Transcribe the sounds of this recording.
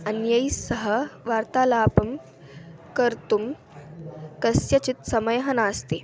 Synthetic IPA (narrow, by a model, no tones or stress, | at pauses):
ɐnjɐjsɐɦə̆ʋaːɾt̪aːlaːpɐm | kɐɾt̪um | kɐsjɐt͡ʃit̪sɐməjɦɐnaːst̪eː